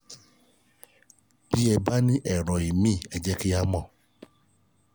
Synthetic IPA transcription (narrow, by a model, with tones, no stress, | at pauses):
b̥i˦ɛ˧ba˦nĩ˦ʔɛ˦˨ɾɔ̃˨i˨mĩ˦˨ɛ˧d͡ʒɛ˦ki˦a˦mɔ̃˦˨